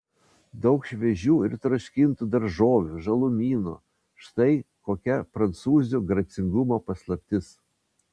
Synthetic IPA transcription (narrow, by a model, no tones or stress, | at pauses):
d̪ɐʊkʃʲʋʲɛʒʲuːɪɾt̪ɾɔʃʲkʲɪnt̪uːd̪ɐɾʒoːʋʲuʒɐlˠʊmʲiːnṵ | ʃt̪ɐɪkoːkʲɛpɾɐnt̪suːzʲuɡɾɐt̪sʲɪŋɡʊmoːpɐslˠɐpʲt̪ʲɪs